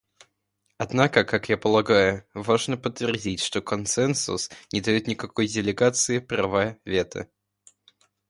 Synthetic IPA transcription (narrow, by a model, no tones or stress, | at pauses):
ɐd̪nakəkakjapəlˠɐɡajʊvaʐnəpət̪ːvʲɪrdʲitʲʂt̪okɐnsɛnsʊ̰snʲɪd̪ɐjot̪nʲɪkɐko̞jdʲɪlʲɪɡat̪sɨɪpɾavavʲe̞t̪ʰə̰